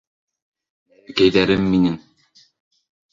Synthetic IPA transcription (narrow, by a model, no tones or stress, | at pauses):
kæjðæɾɘmːinɘŋ